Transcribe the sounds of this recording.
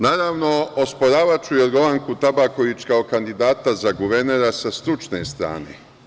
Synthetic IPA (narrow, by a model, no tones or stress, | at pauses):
naːɾaʋno̞ospoɾaːʋat͡ʃuio̞d̪ɡo̞ʋaŋkut̪abakoʋit͡ʃkaokand̪id̪aːt̪azaɡuʋeɾneɾasast̪ɾut͡ʃne̞st̪ɾa̰ːnḛ